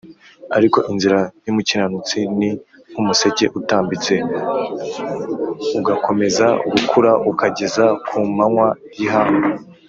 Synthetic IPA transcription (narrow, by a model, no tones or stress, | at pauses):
aɾiko̞ʔinziɾajumucinanut͡sini | umuse̞ce̞̰ʔutaːmbit͡se̞ | uɡako̞me̞zaɡukʰuɾaukaɟe̞zakʰumaŋwa | jiɦaːno